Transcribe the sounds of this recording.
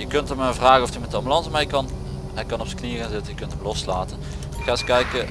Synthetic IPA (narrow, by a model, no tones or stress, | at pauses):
jəkɵntəməvraːɣənɔftymɛtdəɑmbylɑnzəmɛjkɑn | ɦɛjkɑnɔpsə̥kniərənzɪtənjəkɵntəmlɔslaːtən | ɪxaːɪskɛjkə